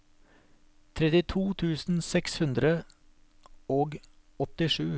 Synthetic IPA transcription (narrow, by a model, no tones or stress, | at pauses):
t̪ʰɾɛt̪ɪt̪ʰuːt̪ʰʉːsn̩sɛkshʉnd̪ɾə | oːɡ | ɔt̪ɪʂʉː